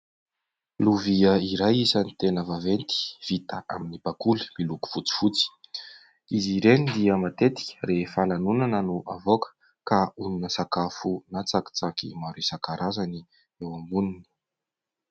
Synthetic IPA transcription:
luviəiɾajisanit̪enəvavent̪i̥v̥it̪əʔa̰minipakuli̥miluku̥v̥ut͡si̥fut͡si̥ | iziɾenid̪iəmat̪et̪i̥kʲə̥refalanunanənuʔavokə̥ | kauninəsakafunat͡saki̥t͡sakimaɾusakaɾazani | ewambunini̥

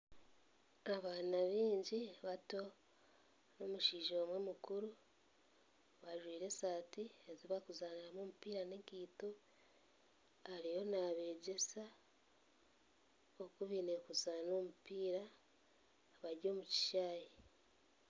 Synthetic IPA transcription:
aβaːnaβiːɲɟiβato̞ | no̞muʃiːʒoːmwemukuɾu | βaʒwiːɾe̞saːtie̞ziβakuzaːnamomupiːɾanekiːto | haɾijo̞naβe̞ːɟe̞sa | okuβine̞kuzano̞ːmupiːɾa | βaɾɟo̞ːmuci̥ʃaːje

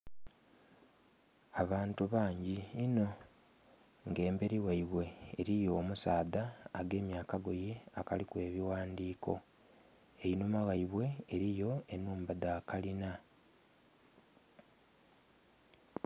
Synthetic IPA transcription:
aβaːntuβaːɲɟiːno̞ | ŋɡe̞ːmbe̞ɾiwaiβwe̞ːɾijo̞ːmusaːdaːɡe̞ːmjaːkaɡo̞jeakalikwe̞ːβiwaːndiːkʰo̞̰ | e̞inumaɣaiβwe̞ːɾijo̞enuːmbadakalina

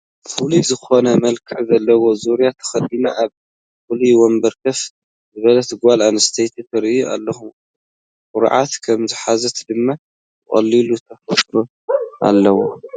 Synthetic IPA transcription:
fulizɨxo̞nɐmɐlkʰɨʕzɐlːɐwo̞zuɾijat̪ʰɐ̥xɐd̪inɐʔaβ | fuliwɔmbɐɾkʰɐf | zɨβɐlɐt̪ʰɨɡalanɐst̪ʰejt̪ʰit̪ʰɐɾuʔa̰lːɐhu | kʊɾ̰ʕa̰t̪kʰɐmziħazɐt̪d̪ɨmːa | t̪ɨχʼɐ̰lːilut̪ʰɐfɐt̪ɾu | ʔa̰lːɐwo

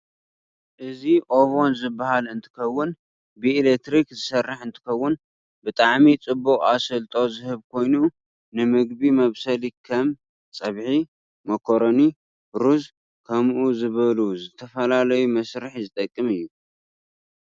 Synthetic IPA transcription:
ʔɨziʔo̞βo̞nzɨbːahalɨnt̪ʰɨ̥kɐwːʊn | bɨelet̪ɾikzɨsɐrːɨħɨnt̪ʰɨ̥kɐwːʊn | bɨt̪ʼaʕmit͡sʼɨbːukʼasɨlt̪ʼo̞zɨhɨβkʰo̞jnu | nɨmɨɡbimɐβsɐlikʰɐm | t͡sʼɐβħi | mɐkʰoɾoni | ɾuz | kʰɐmʔuzɨβɐluzɨt̪ʰɐfɐlalɐjumɐsɾɨħzɨt̪ʼɐkʼːɨmɨjːu

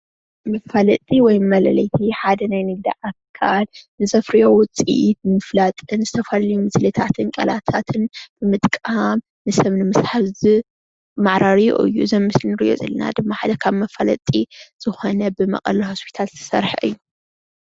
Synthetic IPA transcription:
mɐfɐlɐt̪ʼiwɔjmɐlɐlɐjt̪ʰiħad̪ɐnajnɨɡ̚d̪ḭʕakʰalnɨzɐfɾijo̞wʊt͡sʼḭʔit̪nɨmɨflat̪ʼɨnzɨt̪ʰɐfalɐlɐjumɨslɨt̪ʰat̪ʰɨnkʼɐlat̪ʰat̪ʰɨnb̥ɨmɨt̪ʼkʼam | nɨsɐβnɨmɨsħazɨ | maʕɾaɾijo̰ʔɨ̰jːuzɐmːɨslinɨɾḭʔo̞̰zɐ̰lɐ̰na̰d̪ɨmːaħad̪ɐkʰaβmɐfɐlɐ̰t̪ʼiz̥ɨxo̞nɐbɨmɐ̰qʼɐ̰lihospʰi̥t̪ʰalt̪ʰɐ̥sɐɾħʔɨ̰jːu

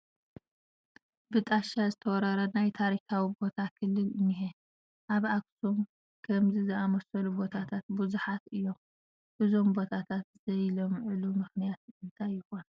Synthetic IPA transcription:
bɨt̪ʼaʃazɨt̪ʰɐwɔɾɐɾɐnajt̪ʰaɾikʰawibo̞t̪ʰakʰɨlːɨlɨniɦe | ʔaβaksum | kʰɐmzizɨamɐsɐlubo̞t̪ʰat̪ʰat̪̚buzuħat̪ɨjːo̞m | ʔɨzo̞mbo̞t̪ʰat̪ʰat̪zɐjlomʕɨlumɨxnijat̪ɨnt̪ʰajːɪxo̞nɐ

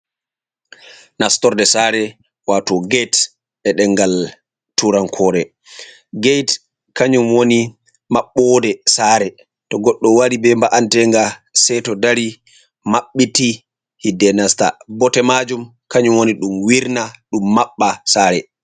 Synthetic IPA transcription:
nastɔɾdɛsaːɾɛ | watɔɡejt | ɓɛɗɛŋɡal | tuɾankʰɔɾɛ | ɡejt | kaɲumwoni | maɓːɔdɛsaːɾɛ | tɔɡɔɗːɔwaɾibɛmbaʔantɛŋɡasɛtɔdaɾi | maɓːiti | hidːɛnasta̰bɔtɛmad͡ʒumkaɲumwoniɗumwiɾnaɗumːaɓːasaːɾɛ

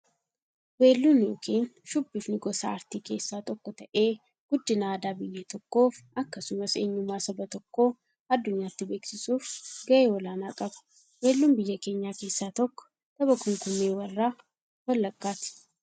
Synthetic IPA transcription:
weːlːunjo̞ːkʰiːnʃʊbːɪfnɪɡɔsa̰ːɐɾt̪iːke̞ːsːaːt̪ʼɔkːɔt̪ɐʔe̞ː | ɡ̥ʊd̪ːɪnaːd̪aːbɪjːet̪ɔkːo̞ːfɐkːɐsʊmɐseːɲːʊmːaːsɐbɐt̪ɔkːo̞ː | ɐd̪ːʊɲːaːt̪ːɪbe̞ːksɪsuːfɡɐʔeːwɔlaːnaːkʼɐbʊ̥ | we̞ːlːʊnbɪjːɐke̞ːɲːaːke̞ːsːaːt̪ɔkːɔ̥ | t̪ɐbɐkʊŋkʊmːeːwɐrːaː | wɐlːɐkʼːaːt̪ɪ̥

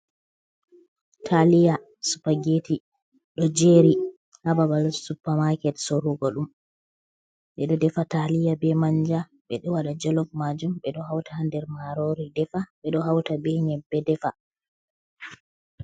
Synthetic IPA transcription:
tʰalija | su̥paɡeːti | ɗɔd͡ʒeɾi | hababalsupːamakɛtsoɾuɡɔɗum | ɓɛɗɔdɛfatalijabɛmaɲd͡ʒa | ɓɛɗɔwaɗad͡ʒɔlɔfmad͡ʒumɓɛɗɔhawtahandɛɾmaɾoɾidɛfaɓɛɗɔɦawtabɛɲɛbːɛdɛfa

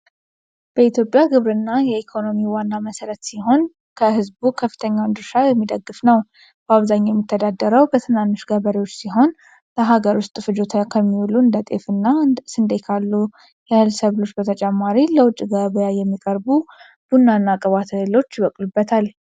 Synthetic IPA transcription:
b̥əit̪ʰjo̞pʼjaɡɨβɾɨnːajɛikʰo̞no̞miwanːaməsəɾət̪siɦo̞n | kʰəɦɨzbukʰəfːɨ̥t̪ʰəɲːawnd̪ɨɾʃajɛmːid̪əɡːɨfnəw | b̥əaβzaɲːjɛmːit̪ʰːəd̪ad̪ːəɾəwbət̪ʰɨnanːɨʃɡəβəɾiwo̞t͡ʃːsiɦo̞n | ləɦaɡəɾʊst̪ʼɨfɨd͡ʒot̪ʰəkʰəmːiwluɨnd̪ət̪ʼḛfɨnːasɨnd̪ekʰalːu | jɛhɨlsəβɨlot͡ʃːbət̪ʰət͡ʃʼɛmːaɾiləwʊt͡ʃʼːiɡəβəjajɛmːikʼəɾbu | b̥unːanːakʼəβat̪ʰelo̞t͡ʃːjɪbəkʼlubːət̪ʰal

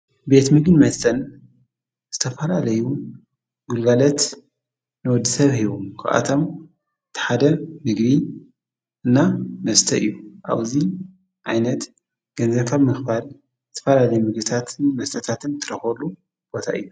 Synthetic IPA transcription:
be̞t̪mɨɡɨnmɐst̪ʰɐn | z̥ɨt̪ʰɐfɐlalɐju | ɡulɡalɐt̪ | nɨwɔd̪ːɨsɐβhiβomkʰɨ̰ʔa̰t̪ʰo̞m | t̪ʰɨ̥ħad̪ɐmɨɡbi | ʔɨnːamɐst̪ʰɐʔɨ̰jːuʔa̰βzi | ʕajnɐt̪ | ɡ̥ɐnzɐβkʰaβmɨxbal | zɨt̪ʰɐ̥fɐlalɐjumɨɡbɨt̪ʰat̪ʰmɐst̪ʰɐt̪ʰat̪ʰɨnt̪ʰɨɾɐxɐlːu | b̥o̞t̪ʰa̰ʔɨ̰jːu

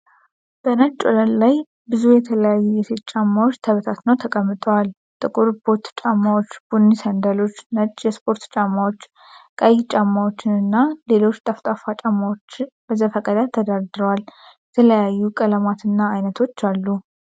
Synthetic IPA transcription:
b̥ənət͡ʃʼo̰ləllaj | bɨzujɛt̪ʰələjajːujɛsʰet̪̚ʼt͡ʃʼamːawot͡ʃːt̪ʰəβət̪ʰat̪nəwt̪ʰəkʼəmːɨt̪ʼəwal | t̪ʼɨkʼuɾbo̞t̪t͡ʃʼamːawo̞t͡ʃːb̥unːisənd̪alo̞t͡ʃːnət͡ʃʼjɛspʰo̞ɾt̪t͡ʃʼamːawot͡ʃː | kʼəjt͡ʃʼamːawo̞t͡ʃːɪnɨnːale̞lo̞t͡ʃːt̪ʼaft̪ʼafat͡ʃʼamːawot͡ʃːɪnb̥əzəfəkʼəd̪at̪ʰːəd̪aɾd̪ɨɾəwaljɛt̪ʰələjajːukʼələmat̪ɨnːaːjnət̪ʰo̞t͡ʃːalːu

